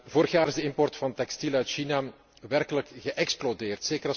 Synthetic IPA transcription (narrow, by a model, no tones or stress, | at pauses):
voːɾəxjaːɾɪzdəɪmpɔrtfɑnt̪ɛkstilœɥtʃina | ʋɛrkələkɣəʔɛksplodeːrtseːkəɾɑ